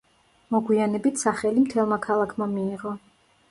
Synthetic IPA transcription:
mɔɡwianɛbit̪ʰsaχɛlimt̪ʰɛlˠmakʰalˠakʰmamiːʁɔ

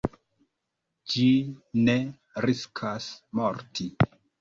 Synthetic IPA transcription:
d͡ʒine | ɾiskʰasmoɾtʰi

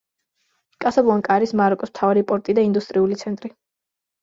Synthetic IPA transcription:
kʼasablˠuaŋkʼaɾismaɾɔkʼɔsm̥t̪ʰavaɾipʼɔɾt̪ʼid̪aind̪ust̪ʼɾiulit̪sʰɛnt̪ʼɾi

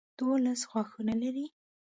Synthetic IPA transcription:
d̪̥olasɣwɑxunalaɾi

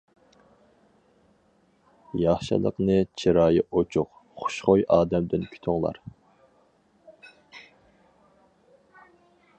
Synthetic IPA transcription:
jɑχʃɨ̰lˠə̰qnɨt͡ʃʰiɾɑːjɪʔot͡ʃʰuq | χʊ̥ʃχojʔɑːd̪ɛmd̪ɪnkʲʰy̥t̪ʰʊŋlˠɑ̰ɾ

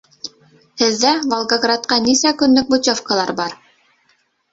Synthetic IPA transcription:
hɘ̆ðːævolˠɡaɡrat̪̚qɑnisækɵ̆nlɵk̚but̪ʲofkalˠɑɾbɑɾ

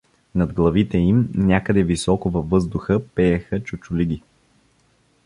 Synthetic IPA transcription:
nɐd̪ɡlˠɐvit̪ɛimnʲakəd̪ɛvisɔkʊvɐvːɤzd̪ʊxəpɛjɛxət͡ʃʊt͡ʃʊliɡ̟ʲi

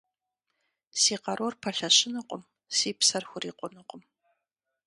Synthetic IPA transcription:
siːqɑɾʔorpʰɐɬɐɕɪnɨqʷʼʊm | siːpsɐrxʷʊriːqʷʼʊnɨqʷʼʊm

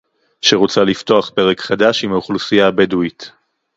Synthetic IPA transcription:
ʃeʁot͡salifto̞aχpe̞ʁekχad̪aʃimauχlusijaːbeduit

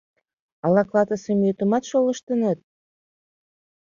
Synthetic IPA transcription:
ɑlɑklɑt̪əsemjøt̪ə̆mɑt̪ʃolə̆ʃt̪ə̆nɑt̪̚

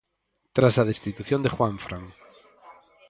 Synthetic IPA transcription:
t̪ɾasaðest̪it̪uθjõnd̪exwãɱfɾʔaŋ

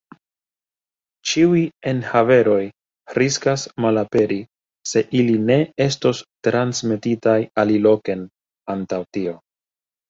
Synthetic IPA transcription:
t͡ʃiujie̞nhave̞ɾo̞j | ɾiskasmalape̞ɾi | se̞ʔiline̞e̞sto̞stɾansme̞titajalilo̞ke̞n | antawtio̞

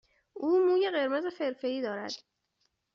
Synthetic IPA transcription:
ʔuːmuːje̞ɢe̞ɾmezefe̞ɾfeɾiːd̪ɒːɾæ̰d̪̥

